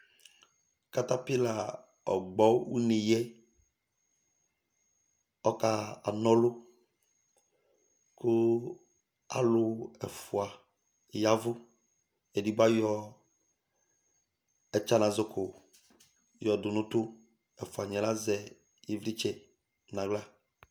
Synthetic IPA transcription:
ka˦˨ta˦pɪ˦la˨ | ɔ̰˨ɡ͡bɔ˨˦wu˦ni˨jɛ˦ | ɔ˦ka˨a̰˨nɔ̃˦lʊ˦ | kʊ˦ | a̰˨lʊ˨ɛ̰˨fʊ˨a˨ | ja˦vʊ˦ | ɛ˨di˨ba˦jɔ˦ | ɛ˨t͡ʃa˦nã˨zʊ˦kʊ˨ | jɔ˨dʊ˨nʊ̃˦t̪ʊ˦ | ɛ˨fʊ˨a˨ɲɛ̃˨la˦zɛ˨ | ji˦˨vɾi˦t͡ʃɛ˨ | nã˨ɡ͡bla˦

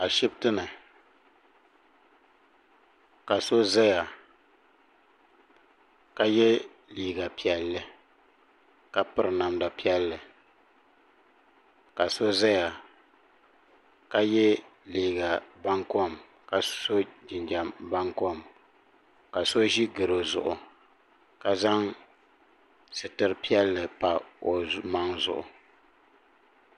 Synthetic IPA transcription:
a˨ʃi˦btɨ˦nɨ˨ | ka˨so˦za˦ja˨ | ka˦jɛ˦ | liː˨ɡa˨pi˨ɛ˨lːɨ˨ | ka˨pɨ˦ɾɨ˨na˨mda˨pi˦ɛ˦lːɨ˨ | ka˨so˦za˦ja˨ | ka˦jɛ˦liː˨ɡa˨ba˦ŋkɔ˦˨m | ka˨so˦d͡ʒɪ˨nd͡ʒa˨mba˦ŋkɔ˦˨m | ka˨so˦ʒi˦ɡɨ˨ɾo˨zʊ̰˨ʔʊ˨ | ka˨za˦ŋ | sɨ˨tɨ˨ɾɨ˨pi˦ɛ˦lːɨ˨pa˨o˨ma˦ŋzʊ̰˨ʔʊ̰˨

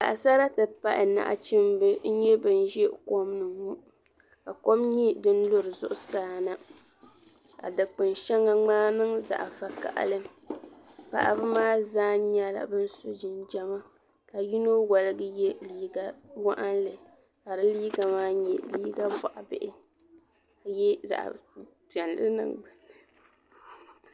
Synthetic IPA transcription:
ka̰˨ʔa˨sa˦ɾa˦tɨ˨pa˦ʔɪ˨na̰˨ʔa̰˨t͡ʃi˦mbɨ˦n̩˦ɲɛ˦bɨ˨n˦ʒi˦˨ko˦mnɨ˨ŋmu˦ | ka˨ko˦mɲi˦dɨ˦n˦lʊ˦ɾɨ˨zʊ̰˦ʔʊ˦saː˦na˦ | ka̰˨dɨ˨k͡pɨ˨nʃɛ˦ŋa˦ŋ͡maː˦nɨ˦ŋza̰˨ʔa˨fa˨ka̰˨ʔa̰˨lɨ˦m | pa̰˨ʔbɨ˦maː˦zaː˦ɲɛ˨la̰˨bɨ˦n̩˦sʊ˦d͡ʒɪ˨nd͡ʒɛ˨ma˦ | ka˨ji˦no˦wa˨lɨ˦ɡɨ˦jɛ˦liː˦ɡa˦wa˦ʔa˦nlɨ˨ | ka˨ɾɨ˦liː˦ɡa˨maː˦ɲɛ˨liː˦ɡa˦ba˦˨ʔa˨bɪ̰˦ʔɪ˦ | ka˨jɛ˦za̰˨ʔ | pɛ˨nlɨ̰˦nɨ̰˦ŋɡ͡bɨ˨

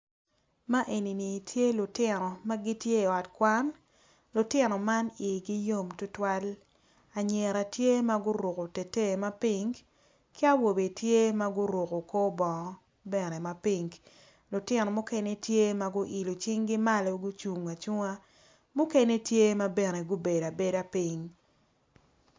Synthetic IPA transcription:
ma˦ʔe˨ni˨ni˨tʰje˦lʊ˨tɪ˦nɔ˨ma˦ɡɪ˦tje˦˨ɔ˨tkwa˦n | lʊ˨tɪ˦nɔ˨ma˦ni˨ɡɪ˦jo˦mtʊ˦twa˦l | a˨ɲe˨ɾa˨tje˦ma˦ɡʊ˦ɾo˨ko˨te˨te˦˨ma˦pi˨ŋɡ | kɪ˦a˦wo˨be˨tje˦ma˦ɡʊ˦ɾo˨ko˨ko˦bɔ˨˦ | bɛ˦˨ne˨ma˨pi˦ŋɡ | lʊ˨tɪ˦nɔ˨mʊ˦ke˦ne˦tje˦ma˨ɡʊ˦ʔi˨lo˨t͡ʃɪ˦ŋɡɪ˦ma˦lo˦ɡʊ˦t͡ʃu˨ŋa˨t͡ʃu˦ŋa˦ | mʊ˦ke˦ne˦tje˦ma˦be˨ne˨ɡʊ˦be˨da˨be˨da˨pi˦ŋ

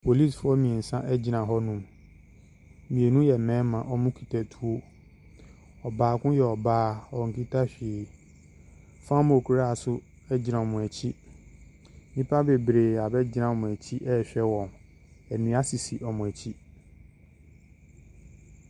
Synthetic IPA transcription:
pʰo˨li˦˨sfʊ˦ɔ˦mĩ˨e˨n̩˨sã˦ʔɛ˦d͡ʑɪ˨nã˨ɦɔ˦nũ˦˨m | mĩ˨e˨nũ˦jɛ˨mɛ̃ː˨˦mã˨ʔɔ˦mʊ̃˦kʰi̥˨tʰɛ˨tʰu˦o˦ | ɔ˨baː˨˦kʊ̃˦jɛ˨ɔ˨baː˦ɔ˨ŋ̩˨ki˦tʰa˦ɕᶣɪ˨ | fã˦mo˨kʰu˨ɾa˦a˨sʊ˦ | ɛ˦d͡ʑɪ˦nã˨mʊ̃˨æ˨t͡ɕʰi˦ | mĩ˦pʰa˦be˨bɾe˨a˨bɛ˦d͡ʑɪ˦nã˨mʊ̃˨æ˨t͡ɕʰi˦ʔɛ˦˨ɕᶣɛ˦wɔ̃˨n | ɛ˨nĩ˨˦a˦si˨si˨ʔɔ˨mʊ̃˨æ˨t͡ɕʰi˦

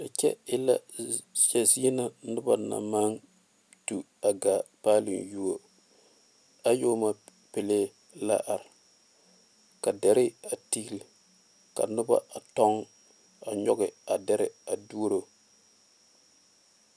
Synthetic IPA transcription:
a˨t͡ʃɛ̰˦ɪ˦la˦ʃɛ˨zi˦na˦nʊ˦ba˨na̰˨ma˦ŋ | tu˨ | a˨ɡa˨paː˦lɪ̰˨nju˦o˦ | a˦joː˦ma˦ | pɪ˨leː˦ | la̰˦ʔa˨ɾɪ˨ | ka˨dɛ˨ɾɪ˦a˨ti˦ɡlɪ˨ | ka̰˨nʊ˦ba̰˦a˨tɔ˦ŋ | a˨ɲɔ˦ɡɪ˨a˨dɛ˦ɾɪ˨a˨du˦ɾo˨

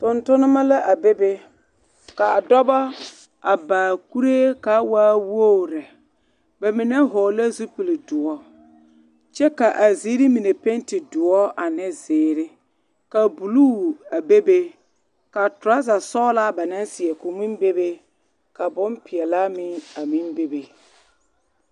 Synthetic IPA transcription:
tʊ˨ntʊ˦nɪ˦ma˦la˦ʔa˨be˦be˦ | ka˨a˨dɔ˦ba˦ | a˨baː˨ku˦ɾe˦ka˨˦waː˦wo˦˨ɾa˨ | ba˨mɪ˨nɛ˦ɦɔ˨la˦zu˦pi˨lɪ˨dʊ˨ɔ˦ | t͡ʃɛ˦ka˨ʔa˨zi˦ɾɪ˦mi˨ne˨pe˦ntɪ˨dʊ˨ɔ˦ʔa˨nɪ˦zɪː˨ɾɪ˦ | ka˨bu˨lu˦˨a˨be˦be˦ | ka˨tʊ˨ɾa˦za˨sɔ˦la˦ba˨na˦n˦sɪ˨ɛ˨kʊ˨mi˦mbe˦be˦ | ka˨bʊ˦mpɪ˨ɛ˨la˦mɪ˦a˨mi˦nbe˦be˨

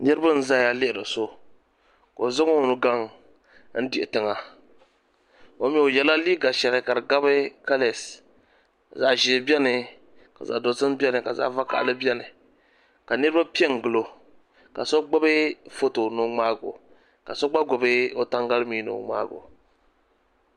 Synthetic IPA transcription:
nɨ˦ɾɨ˦ba˦n̩˦za˦ja˨lɪ˦ɪ˨dɨ˨so˦ | ko˨zɨ˦ŋo˦˨nɨ˦ɡa˦ŋ | n̩˦di˨ʔɪ˨tɨ˨ŋa˨ | o˦mɛ˦˨o˨jɛ˦la˦liː˦ɡa˨ʃɛ˨lɨ˦ka˨ɾɨ˨ɡa˦bɨ˦ka˦le˨s | ka˨za˦ʒi˨˦bi˦ɛ˦nɨ˨ | ka˨za̰˨do˨sɨ˦m˦bʲi˦ɛ˦nɨ˨ka˨za̰˦va˦ka̰˨ʔlɨ˦bi˦ɛ˦nɨ˨ | ka˨nɨ˦ɾɨ˦ba˦pi˦ɛ˦ŋ˨ɡɨ˨lo˨ | ka̰˨so˦ɡ͡bʊ˦bɨ˦fo˦to˨no˨ŋ͡maː˦ɡo̰˨ | ka˨so˦ɡ͡ba˦ɡʊ˨bɨ˦o˦ta˦ŋɡa˦lɨ˦miː˦no̰˨ŋ͡ma̰ː˦ɡo̰˨

